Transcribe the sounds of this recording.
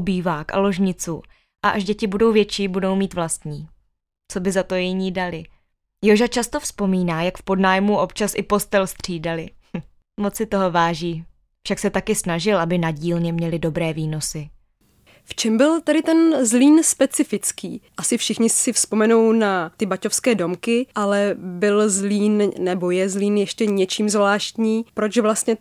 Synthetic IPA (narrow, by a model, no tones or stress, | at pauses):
biːvaːkʔa̰lo̞ʒɲɪt͡su | ʔaʔaʒɟɛcɪbudo̞wvjɛt͡ʃiːbudo̞wmiːt̪vlast̪ɲiː | t͡so̞bɪzat̪ojɪɲiːdalɪ | joʒat͡ʃast̪o̞fspo̞miːnaːjakfpo̞dnaːjmuʔo̞pt͡ʃasʔɪpo̞st̪ɛlst̪r̝̥iːdalɪ | mo̞t͡ssɪt̪o̞ɦo̞vaːʒiː | fʃaksɛt̪akɪsnaʒɪlʔabɪnaɟiːlɲɛmɲɛlɪdo̞bɾɛːviːno̞sɪ | ft͡ʃɛmbɪlt̪aɾɪt̪ɛnzliːnspɛt͡sɪfɪt͡skiːʔasɪfʃɪxɲɪsɪfspo̞mɛnownat̪ɪbaco̞fskɛːdo̞mkɪʔalɛbɪlzliːnnɛbo̞jɛzliːnjɛʃcɛɲɛt͡ʃiːmzvlaːʃt̪ɲiːpɾo̞t͡ʃvlast̪ɲɛ